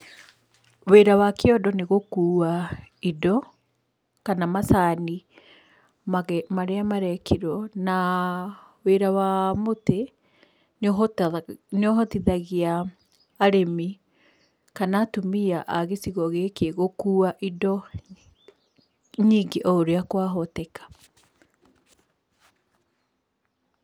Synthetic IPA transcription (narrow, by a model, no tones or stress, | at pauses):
weɾawakeɔdɔneɣokuːaidɔ | kanamasani | mamaɾeamaɾɛkʰeɾwɔna | weɾawamote | nɔɦɔtiðaɣiaː | ɾemi | kanatomiaʔaɣesiɣɔɣekeɣokuːaʔidɔ | ɲiːŋɡeʔɔoɾeakwaɦɔtɛkḁ